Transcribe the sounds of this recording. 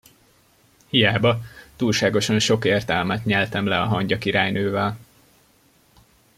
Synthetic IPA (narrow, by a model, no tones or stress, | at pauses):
hijaːbɒt̪uːlʃaːɡo̞ʃɒnʃo̞keːrt̪ɛlmɛt̪ɲɛlt̪ɛmlɛɒɦɒɲɟɒkiɾaːjnøːvɛl